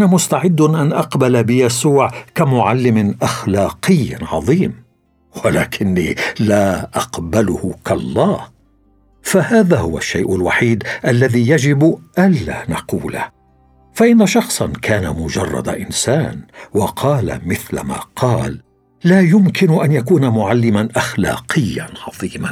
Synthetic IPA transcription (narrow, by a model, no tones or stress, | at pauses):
ʔnamʊst̪aʕɪd̪ːʔanʔɑqbalabɪjasuːʕkamʊʕalːɪmɪʔaxlɑːqɪjːʕɑ̰ðˤiːm | walaːkʰɪnːḭːlaːʔɑqbalʊhʊkɑlˤːɑːh | fahaːðahʊwa̰ʃːajʔʊlwaħiːd̪ʔalːaðiːjad͡ʒɪbʔanːa̰ːnɑquːla̰ | faʔɪnːaʃɑxsˤɑnkaːnamʊd͡ʒɑrˤːɑ̰d̪aʔɪnsaːnwɑqʰɑːla̰mɪθla̰ma̰ːqʰɑːlː | aːjʊmkɪnʊʔanjakuːnamʊʕalːɪmanʔaxla̰ːqɪjːanʕɑðˤiːman